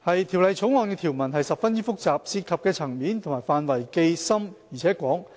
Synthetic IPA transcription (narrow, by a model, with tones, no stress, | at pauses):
hɐ˨jt̪ʰi˨˩wlɐ˨˧jt͡sʰʊ˨˥wŋɔː˨nkɛː˧t̪ʰiː˨˩wmɐ˨˩nɦɐ˨jsɐ˨p̚fɐ˥njiː˥fʊ˥k̚t͡saː˨p̚siː˧t̚kʰɐ˨p̚kɛː˧t͡sʰɐ˨˩ŋmiː˨˥nt̪ʰŋmaː˨˩jfaː˨nwɐ˨˩jke˧jsɐ˥mji˨˩t͡sʰɛː˨˥kʷɔː˨˥ŋ